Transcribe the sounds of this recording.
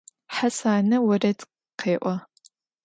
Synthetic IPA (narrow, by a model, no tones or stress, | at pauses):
ħasaːnɐwɐrɐt | qeːʔʷɔ